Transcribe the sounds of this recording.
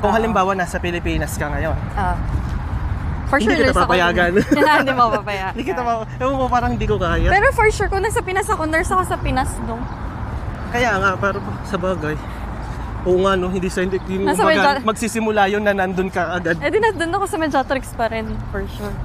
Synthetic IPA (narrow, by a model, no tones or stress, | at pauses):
ʔoŋhɐlɪmbaːwɐnasɐpɪlɪpiːnɐskɐŋɐjona | fɔɹɪd̪ikɪɐpapɐjaɡɐnɪnd̪imopapɐjaɪnd̪iːkɪɐpaʔɛʔoopaːɾɐŋhɪnd̪iːkokaːjɐpɛːɾofɔɹʃuɹkʊŋnasɐpɪnɐsɐkonɛɹsɐkosɐpɪnasnoŋ | kɐjaʔŋapɛːɾɐpɐsɐbaːɡɐj | ʔoʔŋɐnohɪnd̪isɐɪnd̪id̪imasɐɐmɡamɐɡ̚sisɪmʊlajonːɐnɐnd̪onkɐʔɐɡad̪ɛd̪ɪnɐd̪onɐkosɐmɛd͡ʒat̪ɾɪkspɐɾɛnfɔɹʃuɹ